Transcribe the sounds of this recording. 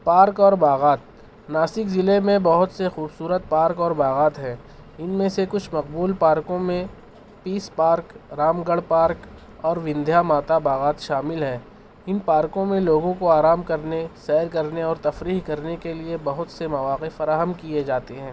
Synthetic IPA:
paːɾkɔːɾbaːɣaːt̪̚ | naːsɪkzɪlemẽbɐɦʊt̪sexuːbsuːɾət̪̚paːɾkɔːɾbaːɣaːt̪ɦɛ̃ː | ɪnmẽsekʊt͡ʃʰmɐq̚buːlpaːɾkõmẽ | piːspaːɾkɾaːmɡəɽpaːɾk | ɔːɾʋɪ̃nd̪ʱjamaːt̪abaːɣaːt̪ʃaːmɪlɦɛː | ɪnpaːɾkõmẽloːɡõkoaːɾaːmkɐɾnesɛːɾkɐɾneɔːɾt̪ɐfɾiːɦkɐɾnekeliebɐɦʊt̪semɐʋaːqefɐɾaːɦəmkied͡ʒaːt̪eɦɛ̃ː

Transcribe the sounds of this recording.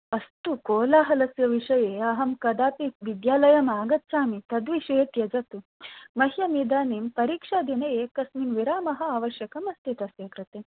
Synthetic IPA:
ɐst̪ukoːlaːɦɐlɐsjɐʋiʂɐjeɐɦɐmkɐd̪aːpiʋid̪jaːlɐjɐmaːɡɐt̪saːmit̪ɐd̪ʋiʃet̪jɐd͡ʒɐt̪umɐɦjɐmid̪aːniːmpɐɾiːkʂaːd̪ineeːkɐsmiːmʋiɾaːmɐɦɐ̆aːʋɐʃjɐkɐmɐst̪it̪ɐseːkɾɨt̪eː

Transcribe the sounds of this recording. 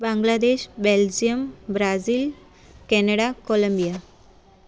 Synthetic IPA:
bãŋɡlad̪eʃbeld͡ʑijəmbɾazil | kɛnəɽakoləmbija

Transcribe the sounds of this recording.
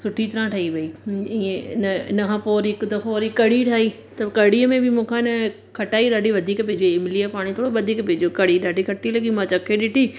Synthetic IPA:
sʊʈʰit̪ɐɾãʈʰɐiʋɐiiːẽɪnɐnɐɦãpoːɾkd̪ɐkʰoːɾikɐɽiʈʰaːiː | t̪ɐkɐɽ̤iəmẽbɪmũːkʰãɪnə | kʰɐʈaːiɗaːɖʱiʋɐd̪ʱiːkpeːd͡ʑoɪmɪliapaːɽ̃it̪ʰoːɽoʋɐd̪ʱiːkpeːd͡ʑokɐɽiɗaːɖʱikʰɐʈilɐɡimãt͡ɕɐkʰeɗɪʈʰi

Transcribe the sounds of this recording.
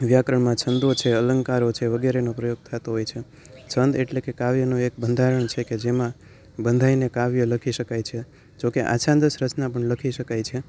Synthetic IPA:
ʋjakɾəɳmãt͡ʃʰənd̪ot͡ʃʰeələŋɡkaɾot͡ʃʰeʋəɡeɾenopɾəjoɡ̚t̪ʰat̪oɦojt͡ʃʰe | t͡ʃʰənd̪eʈlekekaʋjənũek̚bənd̪ʱaɾəɳt͡ʃʰeked͡ʒemã | bənd̪ʱainekaʋjələkʰiʃəkajt͡ʃʰe | d͡ʒokeʔa̰t͡ʃʰãnd̪əʃɾət͡ʃnapəɳləkʰiʃəkajt͡ʃʰe

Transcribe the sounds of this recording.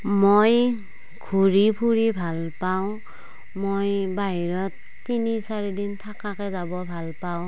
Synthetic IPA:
moj | ɡʰʱuɹipʰuɹibʱalpaʊ̃ | mojbaɦiɹɔtːinisaɹidintʰakakɛzabɔbʱalpaw̃

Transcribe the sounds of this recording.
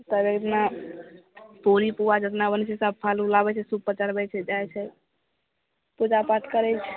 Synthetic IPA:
t̪əbekt̪na | polipuʋad͡ʒət̪nabənt͡ʃʰɛsəb̚pʰalulabɛt͡ʃʰɛsubpːət͡ʃəɾbɛt͡ʃʰɛd͡ʒajt͡ʃʰɛ | pud͡ʒapat̪ʰkəɾɛt͡ʃʰɛ̥

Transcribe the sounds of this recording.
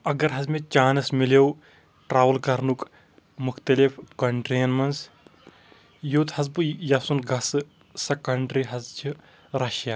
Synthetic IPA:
ɐɡɐɾɦɐzmet͡ʃaːnɐsmilew | ʈɾaːʋɐlkɐɾnuk | mʊkʰt̪ɐlifkɐɳʈɾeːnmɐns | joːt̪hɐzbɨjɐsunɡɐsɨ | sɐkɐɳɖɾiɦɐzd͡ʒʰi | ɾɐʃja

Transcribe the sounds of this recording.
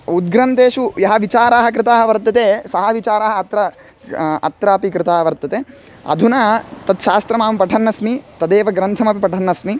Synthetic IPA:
ud̪ɡɾɐnt̪eːʃujɐɦɐʋit͡ʃaːɾaːɦɐkɾɪt̪aːɦɐʋɐɾt̪ɐt̪esɐɦɐʋit͡ʃaːɾaːɦɐɐt̪ɾɐ | ɐ̰t̪ɾaːpikɾɪt̪aːɦɐʋɐɾt̪ɐt̪eː | ɐ̰d̪ʱunɐt̪ɐt̪ʃaːst̪ɾɐmaːmpɐʈʰɐnːɐsmit̪ɐd̪eːʋɐɡɾɐnt̪ʰɐmɐpipɐʈʰɐnːɐsmi

